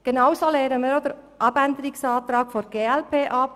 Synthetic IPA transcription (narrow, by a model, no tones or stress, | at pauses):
ɡ̥enɑwsoːleːɾənmiːɾod̪əɾ | ʔɑbænd̪əɾɪksɑːt̪ɾɑːkfɔnɡ̥eːɛlpʰeːʔɑp̚